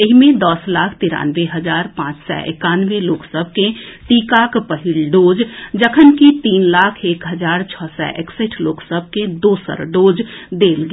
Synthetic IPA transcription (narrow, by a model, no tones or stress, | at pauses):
eɦmẽd̪əslaːkʰt̪ɪɾa̰ːnʋeɦəd͡ʒaːɾpãːt͡ʃsɛ̰ʔɪ̰kaːnʋeloːksəb̚ʱkẽt̪iːkaːkpəɦɪlɖoːd͡ʒd͡ʒəkʰənkit̪iːnlaːkʰeːkɦəd͡ʒaːɾt͡ʃʰɔsɛ̰ʔḛkseʈʰloːksəb̚ʱkẽd̪oːsə̰ɾɖoːd͡ʒd̪eːlɡ